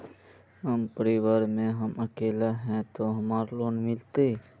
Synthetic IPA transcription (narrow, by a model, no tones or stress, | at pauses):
ɦəmpəɾiʋəɾmẽɦəməkeːlaɦɛ̃t̪oɦəmaːɾloːnmɪlt̪e